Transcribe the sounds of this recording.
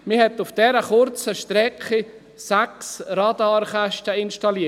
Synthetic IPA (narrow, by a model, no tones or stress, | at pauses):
mɪhɛtufd̥ɛɾəχʊɾt͡səʃtɾɛkχi | sæksɾɑdəɔɾχɛʃtəinʃtɑliːə